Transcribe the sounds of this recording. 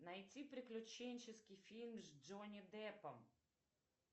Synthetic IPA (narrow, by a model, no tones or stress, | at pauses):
najt̪sʲipɾiklʲʊt͡ʃɛnʲt͡ʃɛskifʲilʲmzd͡ʒɔnʲɛd̪ɛpɐm